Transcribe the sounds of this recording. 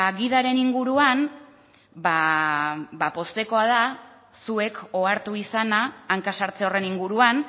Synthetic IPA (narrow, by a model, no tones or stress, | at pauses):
ɣiðaɾe̞niŋɡuɾuan | ba | bapo̞st̪e̞ko̞að̞a | sue̞ko̞aɾt̪uisanaːŋkasaɾt͡se̞o̞re̞niŋɡuɾuan